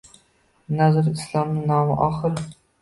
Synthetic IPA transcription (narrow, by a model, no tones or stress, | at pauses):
nazɪɾɪslˠɒmnɪnɒmɪ̰ʔɒχɨl